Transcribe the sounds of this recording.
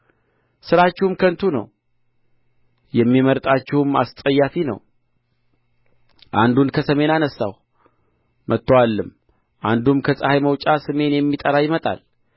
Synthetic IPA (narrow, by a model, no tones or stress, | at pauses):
sɨɾat͡ʃːɪhumkʰənt̪ʰunə̰w | jɛmːiməɾt̪ʼat͡ʃːɪhɨma̰st̪ʼəjːafinə̰w | ʔand̪unkʰəsəme̞nanəsːa̰w | mʔət̪ːəwalːɨm | ʔand̪umkʰəsʼəhajməwt͡ʃʼasɨme̞njɛmːit̪ʼəɾajɪmət̪ʼa̰l